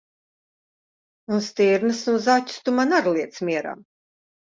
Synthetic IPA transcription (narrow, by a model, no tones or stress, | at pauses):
nunst̪iːɾnɨsnuzatʲu̥st̪umanaɾlˠiɛt̪smʲiɛɾa̰m